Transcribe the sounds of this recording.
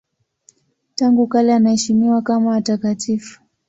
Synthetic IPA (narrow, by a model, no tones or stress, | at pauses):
taŋɡukalɛanahɛʃimiwakamaːtakatifu̥